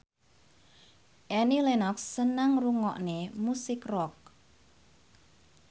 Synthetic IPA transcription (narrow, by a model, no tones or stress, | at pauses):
ʔɛnilenɔksːənaŋruŋɔ̰ʔnemusɪkrɔk̚